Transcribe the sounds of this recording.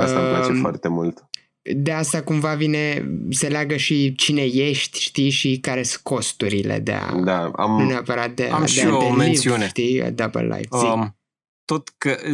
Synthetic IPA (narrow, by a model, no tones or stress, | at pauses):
aəalat͡ʃefoa̰rt̪emult̪ | d̪east̪akumvavine̞se̞leaɡəʃit͡ʃine̞je̞ʃt̪ʲʃt̪iʃikaɾe̞skʰo̞st̪uɾile̞̰d̪ḛa̰d̪aa̰mneapəɾat̪̚d̪eaa̰md̪eaioenlnivsiuneʃt̪iə̰d̪abə̰lːa̰jvsi | t̪ot̪kə